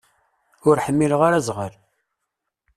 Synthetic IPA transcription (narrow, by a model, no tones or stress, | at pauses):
ʊɾħəmːilʁaɾæzʁəl